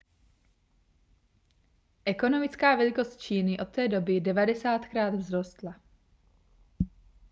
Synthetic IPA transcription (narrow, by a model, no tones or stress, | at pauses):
ʔɛko̞no̞mɪt͡skaːvɛlɪko̞st̪̚t͡ʃiːnɪʔo̞t̪ːɛːdo̞bɪdɛvadɛsaːt̪kɾaːd̪vzɾo̞st̪la